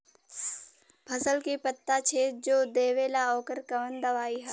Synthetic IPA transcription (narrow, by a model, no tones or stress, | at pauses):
pʰɐsəlkipɐt̪ːat͡ʃʰeːd͡ʒoːd̪eːʋelaɔːkəɾkɐʋənd̪ɐʋaːiɦɛ